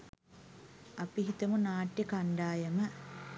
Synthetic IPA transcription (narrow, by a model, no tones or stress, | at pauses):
ɐpiɦit̪ɐmunaːʈjɐkaɳɖaːjɐmɐ